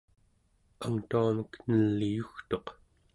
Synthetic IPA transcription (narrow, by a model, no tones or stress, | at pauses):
aŋt̪uaməknəlːijuxt̪o̞q